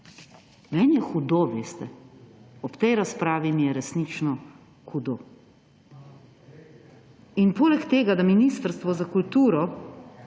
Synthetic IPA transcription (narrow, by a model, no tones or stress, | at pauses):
mɛːnjɛxud̪oʋeːst̪ɛ | ɔpt̪ɛjɾaspɾaːʋimijɛɾɛsnit͡ʃnɔ | xud̪oː | inpoːlɛkt̪eːɡad̪aminist̪əɾst̪ʋɔzakult̪uːɾɔ